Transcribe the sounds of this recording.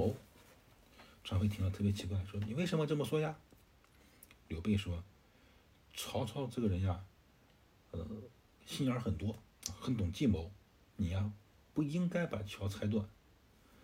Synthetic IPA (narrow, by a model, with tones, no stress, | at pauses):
o˧˥ʊ | ʈ͡ʂʰɑ˧˥ŋfe˥t̪ʰi˥ŋə˧t̪ʰɤ˥˩pjɛ˧˥t͡ɕʰi˧˥kwa˥˩ɪʂwɔ˥ni˨˩we˥˩ɪʂə˧˥mə˧ʈ͡ʂɤ˥˩mə˩swɔ˥ja˥˩ | ljo˧˥ʊpe˥˩ɪʂwɔ˥ | ʈ͡ʂʰɑ˧˥ʊt͡sʰɑ˧˥ʊʈ͡ʂɤ˥˩ɡə˩ɻə˧˥nja˥˧ | ə˧˩ | ɕi˥˩nə˞˧˥xə˨˩nt̪wɔ˥xə˧˥nt̪ʊ˨˩ŋt͡ɕi˥˩mo˧˥ʊ | ni˨˩a˧ | pu˥˩i˥ŋka˥ɪpa˨˩t͡ɕʰjɑ˧˥ʊt͡sʰa˧˥ɪt̪wa̰˨˩˦n